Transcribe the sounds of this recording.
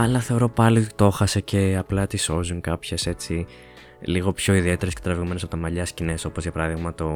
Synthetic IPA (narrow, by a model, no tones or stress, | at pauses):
ɐlɐθe̞o̞ɾo̞pɐlit̪o̞xɐse̞ce̞ɐplɐt̪iso̞zuŋkɐpçese̞t͡si | liɣo̞pço̞iðie̞t̪eɾesce̥t̪ɾɐviɣome̞nesɐpot̪ɐmɐʎɐscine̞so̞po̞zʝɐpɐɾɐðiɣmɐt̪o